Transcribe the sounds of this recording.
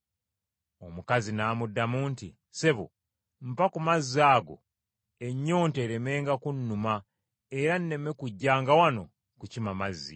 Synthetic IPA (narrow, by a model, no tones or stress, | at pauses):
o̞mukazinaːmudːamuːntḭ | se̞βṵ | m̩pakumazːaːɡo̞̰ | e̞ɲːo̞ːnte̞ːɾe̞me̞ːŋɡakunːuma | eɾanːe̞me̞kuɟːaːŋɡawano̞̰ | kucimamazːḭ